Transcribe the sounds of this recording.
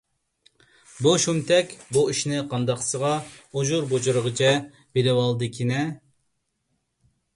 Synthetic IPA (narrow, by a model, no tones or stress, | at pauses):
buʃumt̪ʰɛkʲbuiʃnɪqʰɑnd̪ɑqsəʁɑoʒuɾbot͡ʃuɾəʁət͡ʃʰɛ | beɾɪwɑlˠd̪ɨkʲʰinɛ